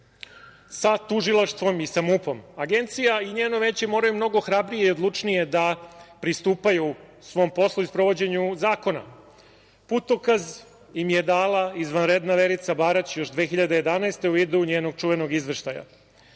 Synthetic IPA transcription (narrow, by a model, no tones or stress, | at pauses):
sat̪uʒilˠaʃt̪ʋo̞misamupo̞maɡent̪sijaiɲeːno̞ʋe̞ːt͡ɕemo̞ːɾajumno̞ɡo̞xɾabɾije̞iod̪lˠut͡ʂnije̞d̪apɾist̪uːpaju | sʋo̞ːmpo̞slˠuispɾoʋo̞d͡ʑe̞ɲuzaːko̞na̰ | put̪o̞kaz | imje̞d̪aːlaizʋanɾed̪naʋe̞ɾit̪sabaːɾat͡ɕjo̞ʒd̪ʋe̞ːxiʎad̪e̞je̞d̪anaest̪e̞uid̪uuɲeːno̞ɡ̚t͡ʃuʋe̞no̞ɡizʋeʃt̪aja̰